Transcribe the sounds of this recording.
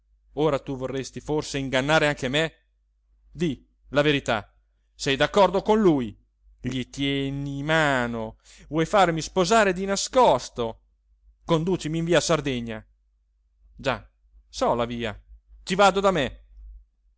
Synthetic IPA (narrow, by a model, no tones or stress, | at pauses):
oːɾat̪uvorːest̪iforseiŋɡanːaːɾeaŋkeme | d̪i | laveɾit̪a̰ | sɛjd̪akːɔrd̪okonluj | ʎit̪jɛnimaːno | vwɔjfarmispozaːɾed̪inaskɔst̪o | kond̪uːt͡ʃimiːɱviːaːsard̪eɲːa̰ | d͡ʒa | sɔlaviːa̰t͡ʃ̪ivaːd̪od̪ame